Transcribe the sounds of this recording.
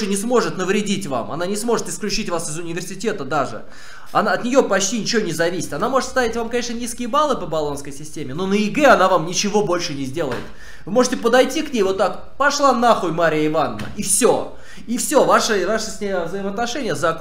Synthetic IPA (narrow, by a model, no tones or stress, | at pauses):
ɨnʲɪsmo̞ʐɨt̪nəvɾʲɪdʲitʲva̰mɐ̰nanʲɪsmo̞ʐɨt̪ɨsklʲʉt͡ɕitʲvasɨzʊnʲɪvʲɪrsʲɪtʲe̞t̪əd̪aʐɨ̰ | ɐnaɐt̪nʲɪjo̞pɐt͡ɕtʲinʲɪt͡ɕɪvonʲɪzɐvʲisʲɪ̥t̪ɐnamo̞ʐɨt̪st̪avʲɪtʲvamkɐnʲeʂnənʲiskʲɪjəbalˠɨpəbɐlˠo̞nskəjsʲɪsʲtʲemʲɪno̞nəɪɡɛɐnavamnʲɪt͡ɕɪvo̞bo̞lʲʂɨnʲɪzʲdʲe̞lˠə̰jɪ̰t̪ | vɨmo̞ʐɨtʲɪpəd̪ɐjtʲiknʲejvo̞t̪ːak | pɐʂlˠanaxʊjmaɾʲɪjəɪvanəːə̰ifsʲo̰ | ifsʲo̞vaʂəvaʂəsʲɪvzəɪməɐt̪nɐʂɛnʲɪjəzɐ